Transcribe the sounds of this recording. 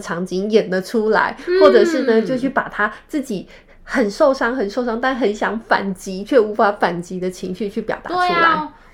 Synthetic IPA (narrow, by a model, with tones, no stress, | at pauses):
ʈ͡ʂʰɑ˧˥ŋt͡ɕi˧˥ŋjɛ˨˩nlə˦ʈ͡ʂʰu˥la̰˧˥ɪxwɔ˥˩ʈ͡ʂɤ˨˩ʂɻ̩˥˩nə˨˩t͡ɕjo˥˧ʊt͡ɕʰy˥˩pa˨˩t̪ʰa˥t͡sɹ̩˥˩t͡ɕi˨˩˦ | xə˨˩nʂo˥˩ʊʂɑ˥ŋxə˨˩nʂo˥˧ʊʂɑ˥ŋt̪a˥˩nxə˧˥nɕjɑ˧˥˦ŋfa̰˨˩nt͡ɕi˧˥t͡ɕʰɥɛ˥˩u˧˥fa˧˥fa˨˩nt͡ɕi˧˥d̪ə˨t͡ɕʰi˧˥ŋɕy˥˧t͡ɕʰy˥˩pjɑ˨˩ʊt̪a̰˧˥˧u˥la̰˧˦ɪ